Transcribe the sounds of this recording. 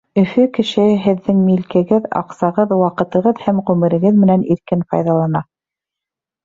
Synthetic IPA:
ɵ̆fɵkɘ̆ʃɘɦɘ̆ðːɘŋmilkɘ̆ɡɘðɑ̰qsɑʁɤðwɑqɤ̆t̪ɤ̆ʁɤðhæmʁʉmɘ̆ɾɘ̆ɡɘðmɘ̆næniɾkɘnfɑ̰jðɑlˠɑnɑ

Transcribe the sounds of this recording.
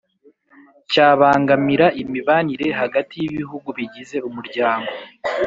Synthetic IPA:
caːβaːŋɡamiɾaʔimiβaniɾe̞ɦaɡatijiβiɦuɡuβiɟize̞umuɾɟaːŋɡo̞

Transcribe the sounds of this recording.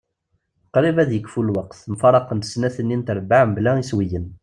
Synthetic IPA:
qɾˤivæðjəkːfulwɑqθmfɑɾˤɑqənt̪ə̥snæθənːint̪ɾˤbaʕmblæiswijən

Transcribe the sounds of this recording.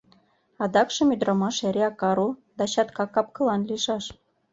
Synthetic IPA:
ɑd̪ɑkʃɤ̆mʲyd̪rɑmɑʃæɾʲeɑkɑɾud̪ɑɕɑt̪kɑkɑp̚kɤ̆lˠɑnlʲiʃɑʃ

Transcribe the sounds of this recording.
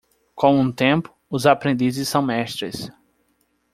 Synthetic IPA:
kõw̃ũt̪ẽmpʊ̥ʊzapɾẽnd̪izɪssːɐ̃w̃mɛʃt̪ɾḛs

